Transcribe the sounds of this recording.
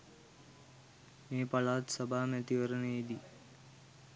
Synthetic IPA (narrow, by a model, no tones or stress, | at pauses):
meːpalaːt̪səbʱaːmæt̪iʋəɾənəid̪i